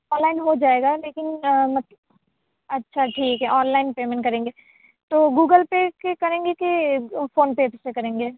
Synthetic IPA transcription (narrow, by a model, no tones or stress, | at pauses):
ɔ̃ːnlaːɪnɦod͡ʒaːeːɡaleːkɪnmɐt̪ | ɐtːʃʰaʈʰiːkɦɛʔɔːnlaːɪnpeːmẽɳʈkɐɾẽːŋɡeː | t̪oːɡuːɡəlpekekɐɾẽːŋɡekefoːnped͡ʒsekɐɾẽːŋɡeː